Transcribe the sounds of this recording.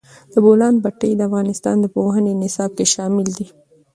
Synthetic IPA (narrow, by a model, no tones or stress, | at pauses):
d̪̥əbolɑnbaʈəjd̪əafɣɑnɪst̪ɑ̰nd̪əpoɦənenɪsɑb̚keʃɑmɪld̪i